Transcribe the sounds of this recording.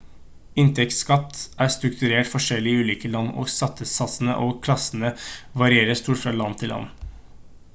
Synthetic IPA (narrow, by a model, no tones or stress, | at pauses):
ɪnt̪ʰɛkt̪skɑt̪ːæɾst̪ɾʉkt̪ʉɾeːʈfɔʂɛlːɪʉːliːkəlɑnːo̰ːɡsɑt̪ʰːəsɑsən̩ə̰ʔokʰlɑsənəʋɑɾɪeːɾəst̪uːʈfɾɑlɑnt̪ʰɪlːɑ̰nː